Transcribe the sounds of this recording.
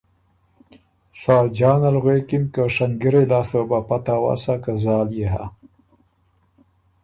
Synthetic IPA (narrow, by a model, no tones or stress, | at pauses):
saːd͡ʒɑːnalɣwekɪnkəʂaŋɡiɾelɑst̪əbapat̪awa̰sakazɑːljeɦa̰